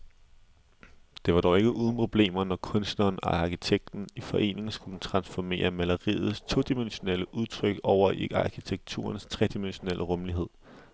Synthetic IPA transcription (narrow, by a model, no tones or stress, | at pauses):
d̥e̝ʋɑ̈ɾ̥ɒʊe̝ɡ̥əʔuːð̞ˠn̩pʰʁo̝b̥le̝̰ːmɐnɒkʰɔ̽nsd̥nɐːnɑ̈kit͡sʰeɡ̥̚d̥n̩ifɒ̽ʔe̝̰ːne̝ŋ̩sɡ̥ud̥̩t͡sʰʁɑ̈nsfɒme̝̰ːɐmælɐʁḭːð̞̩ˠst͡sʰo̝̰ːd̥imenɕo̝neləʔuðˠt͡sʰʁœɡ̥ɒʊ̰ɐɑ̈kʰit͡sʰeɡ̥̚t͡sʰṵːɐnst͡sʰʁɛd̥imenɕo̝nel̰ʔəʁɔ̽mliɦe̝ð̞̰ˠ